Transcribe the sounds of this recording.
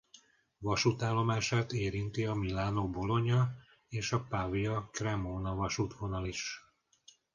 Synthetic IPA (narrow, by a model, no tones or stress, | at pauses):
ʋɒʃut̪aːlːo̞maːʃaːt̪eːɾint̪iɒmilːaːnobo̞lo̞ɲɒ | eːʃɒpavijɒkrɛmoːnɒvɒʃuːt̪ʋo̞nɒliʃ